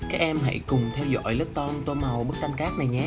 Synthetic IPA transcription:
kaː˦˥k̚ʔɛ˧mɦa̰˧˥jkʊ˨˩ŋ͡mt̪ʰɛ˧wzɔ̰˧˥jlə˦˥t̚t̪ɔ˧mt̪o˧ma˨˩wɓə˦˥k̚t̪a˧ŋ̟kaː˦˥k̚na˨˩jɲɛ˧

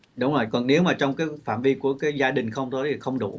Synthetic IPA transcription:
ɗʊ˨˦ŋ͡mzoː˨˩jkɔ˨˩nne˨˦wmaː˨˩t͡ɕwŋ͡mkaː˨˦jfa̰ː˧˨mvi˧ku˧˩əkaː˨˦jzaː˧ɗï˨˩ŋ̟xə˧wŋ͡mt̪ʰo˨˦jt̪ʰi˨˩xə˧wŋ͡mɗṵ˧˩

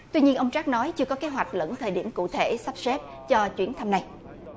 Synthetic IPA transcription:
t̪wi˧ɲi˧ənʔə˧wŋ͡mt͡ɕaː˦˥k̚nɔ˨˦jt͡ɕɨ˧əkɔ˨˦ke˨˦ɦwa˨˩k̟̚lə̰˧˥nt̪ʰəː˨˩jɗi˧˩əmkṵ˧˨t̪ʰe˧˩sa˦˥p̚se˦˥p̚ | t͡ɕɔ˧t͡ɕwi˧˩ənt̪ʰa˧mna˨˩j

